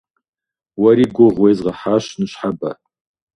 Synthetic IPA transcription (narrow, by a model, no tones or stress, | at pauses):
wɐɾiɡʷʊʁwejzʁɐħaʃnɨɕħaba̰